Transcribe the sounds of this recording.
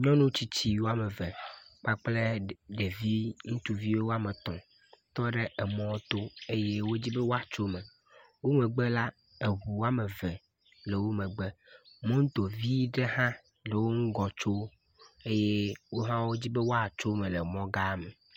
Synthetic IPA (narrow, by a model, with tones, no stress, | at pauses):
ɲɔ̃˦nũ˦t͡ɕi˦t͡ɕi˦wo˦a˦me˨vɛ˨k͡pa˦k͡ple˦ɖe˨vi˦ŋũ˦t̪u˨vi˦wwo˦a˦me˨t̪ɔ̃˨ | t̪ɔ˦ɖe˦e˨mɔ̃˦t̪o˦e˦je˦wo˦d͡ʑi˦bɛ˦wo˦a˨t͡ʃo˦mẽ˨ | wo˦mɛ˨ɡ͡bɛ˦la˦ | e˨ɦu˨wa˦me˨vɛ˨ | le˨wo˦mẽ˨ɡ͡be˦mẽ˦ŋ̩̃˦t̪o˨vi˦ɖe˦hã˦ | le˨wo˦ŋ̩˦ɡɔ˨t͡ʃo˦ | e˦je˦wo˦ɦã˦wo˦d͡ʑi˦be˦wo˦a˨t͡ʃo˦mẽ˨le˨mɔ̃˦ɡa˦mɛ˨